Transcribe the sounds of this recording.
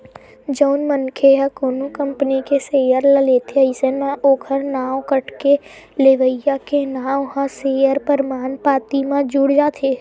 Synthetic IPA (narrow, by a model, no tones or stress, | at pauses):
d͡ʒəʊnmənkʰeɦəkoːnukə̃mpənikeseːjəɾləleːt̪ʰeɐɪsenmẽʔoːkʰəɾnaːwkəʈke | leʋəjakenaːɦãseːjəɾpəɾmaːnpaːt̪imãd͡ʒuːɽd͡ʒaːt̪ʰeː